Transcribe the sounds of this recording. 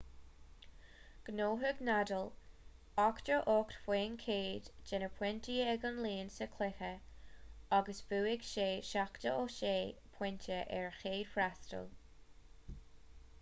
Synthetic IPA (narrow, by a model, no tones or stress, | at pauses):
ɡ̥noːɦəɡnadəl | ɔktəʔoktfweːnkʰeːdd͡ʒɛnəpʰwɪntʰiɛɡənliːnsəkʰlɪxə | aɡəsv̥uːɪɡʃeːʃaktəoʃeːpʰw̥ɪntʰəʔɛɹxeːd̥fɾastə̰l